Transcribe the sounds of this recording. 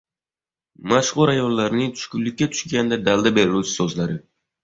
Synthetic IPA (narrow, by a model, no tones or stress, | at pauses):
maʃʁʊɾajɒnlaɾnɪŋt̪ʰʊ̥ʃkʲʊnlːɪkʲːat̪ʰʊ̥ʃɡʲand̪ad̪alˠd̪abe̞ɾɪlut͡ʃʰɪ̥sɒzlaɾɪ